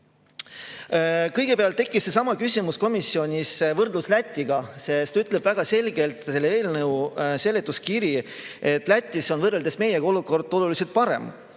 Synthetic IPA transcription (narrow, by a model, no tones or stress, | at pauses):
kɤjɡ̥e̞peɑlt̪ːe̞kːˑisːe̞sɑmɑkysʲimusko̞misːio̞nʲisvɤrd̪luslæt̪ʲːˑiɡ̥ɑse̞st̪ɑyt̪ˑle̞b̥væɡ̥ɑse̞lɡ̥e̞lt̪se̞lːeeːlnɤwse̞lːet̪ːˑuskiɾie̞t̪ːˑlæt̪ʲːˑiso̞nvɤrːe̞ld̪̥e̞sme̞jeɡ̥o̞luko̞rd̪̥o̞lulise̞lt̪̚pɑɾe̞̰m